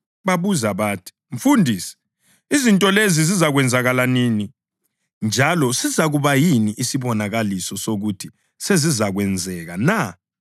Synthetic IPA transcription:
βaβuzaβaːtʰi̥ | ɱfundʱiːsɛ̥ | izintʼɔlezizizaɣwɛnd͡zʱaɣalanini | nd͡ʒʱalɔsizaɣuβajiniʔisiβɔnaɣalisɔsoɣutʰi | sezizaɣwɛnd͡zʱɛɣana

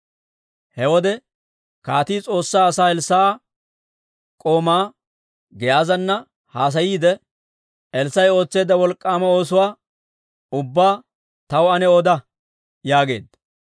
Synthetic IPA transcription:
hɛwɔd̪ɛ | kaːt̪iːt͡sʼo̞ːsːaːɐsaːɛlsːa | kʼo̞ːmaː | ɡɛjaːzɐnːɐ | haːs̬ɐjiːd̪ɛ | ɛlsɐjo̞ːt͡sːe̞ːd̪ɐwɔlkʼːaːmɐo̞ːs̬ʊwaː | ʊbːaː | t̪ɐwɐnɛod̪ɐ | jaːɡe̞̰ːd̪ɐ

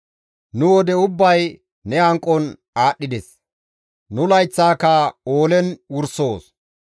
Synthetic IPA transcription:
nʊwɔd̪ɛʊbːɐj | nɛɐŋkʼːɔn | aːɗːɪd̪ɛs | nʊlɐjt͡sːaːkɐoːlɛnwʊɾso̞ːs

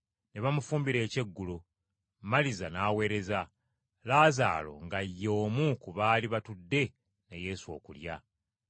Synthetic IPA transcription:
ne̞βamufuːmbiɾe̞ːce̞ɡːulu | malizanaːwe̞ːɾe̞za | laːza̰ːlo̞̰ŋɡajːo̞ːmukuβaːliβatudːe̞ | nḛje̞ːsuo̞̰ːkulja̰

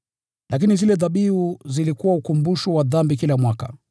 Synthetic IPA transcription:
lʔak̬inizilɛðaɓiuzilikuwaukumbuʃuwaðambikilamwaka̰

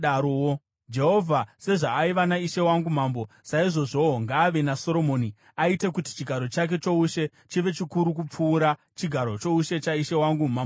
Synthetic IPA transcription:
aɾoo | d͡ʒe̞ɦo̞vʱase̞ʐaːiʋanaiʃe̞waŋɡum̤aːmbo̞ | saiʐo̞ʐo̞ŋɡaːʋe̞naso̞ɾo̞mo̞ːni | aite̞kuti̥t͡ʃiɡʱaɾo̞t͡ʃak̬e̞t͡ʃo̞uʃe̞ | t͡ʃiʋe̞t͡ʃikuɾuk̬up͡fuːɾa | t͡ʃiɡʱaɾo̞t͡ʃo̞uʃe̞t͡ʃaiʃe̞waŋɡumambo

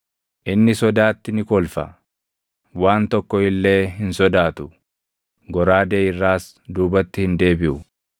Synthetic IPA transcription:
ʔɪnːɪsɔd̪aːt̪ːɪnɪkɔlfɐ̰ | waːnt̪ɔkːɔɪlːe̞ːɦɪnsɔd̪aːt̪ʊ | ɡɔɾaːd̪eːɪrːaːs | d̪uːbɐt̪ːɪhɪnd̪e̞ːbɪʔʊ

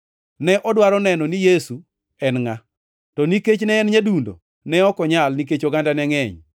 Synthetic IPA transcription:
nɛʔɔdwaɾɔnɛnɔnijesu | ɛnŋa | tɔniket͡ʃnɛːnɲadundo̰ | nɛɔkɔɲalnik̬et͡ʃoɡandanɛŋɛɲ

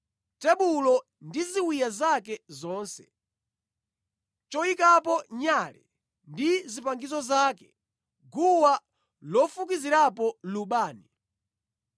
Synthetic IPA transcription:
tɛɓulɔ | ndiziwijazakɛzɔːnsɛ̥̰ | t͡ʃɔikap̬ɔɲalɛ̰ | ndizipaŋɡizɔzaːkɛ | ɡuwa | lɔfuk̬iziɾapɔluɓaːni

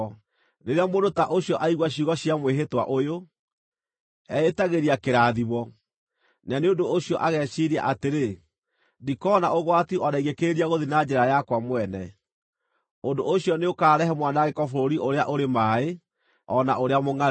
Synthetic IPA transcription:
neɾeamodotaʔoɕjɔʔaiɣwaɕiuɣɔɕiamweɦetwa̰ʔojo | ɛetaɣeɾiakeɾaðiβɔ | naneondooɕiɔʔaɣɛɕiɾia̰ʔateɾe | dikɔnaoɣwatiʔɔnaiɣekeɾeɾiaɣoðinad͡ʑɛɾajakwamwɛnɛ | ondoʔoɕjɔneokaːɾɛɦɛmwanaɣekɔfoɾoɾiʔoɾeaʔoɾemae | ɔnaʔoɾeamoŋa

